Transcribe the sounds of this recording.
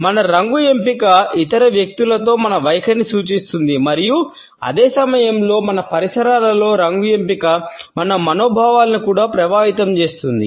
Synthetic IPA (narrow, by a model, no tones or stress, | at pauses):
mɐnɐɾɐŋɡuje̞mpikɐit̪ɐɾɐʋjɐk̚t̪ulɐt̪o̞ːmɐnɐʋɐjɐkʰɐnisuːt͡ʃist̪und̪imɐɾiju | ɐ̰d̪eːsɐmɐjɐmlo̞ːmɐnɐpɐɾisɐɾaːlɐlo̞ːɾɐŋɡuempikɐmɐnɐmɐno̞ːbʱaːʋaːlɐnikuːɽaːpɾɐʋaːɦit̪ɐmt͡ʃe̞ːst̪und̪ḭ